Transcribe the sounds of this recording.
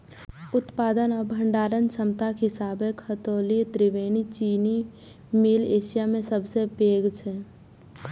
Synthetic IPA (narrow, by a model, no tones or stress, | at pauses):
ʊt̪paːd̪ənɔbʱəɳɖaːɾənsəmt̪akɦɪsaːbekʰət̪oːlit̪ɾiʋeːnit͡ʃiːni | mileːsijamẽsəbsebeːɡt͡ʃʰɛ